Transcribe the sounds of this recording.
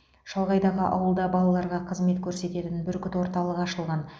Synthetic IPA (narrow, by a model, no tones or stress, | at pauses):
ʃɑlˠʁɑjd̪ɑʁəʔɑ̰wəlˠd̪ɑbɑlˠɑlˠɑɾʁɑqʰəzme̞t̪kʲʰɵɾse̞t̪e̞t̪ɪnbɪɾkʲʰʏt̪wo̞ɾt̪ɑlˠəqɑʃəlˠʁɑn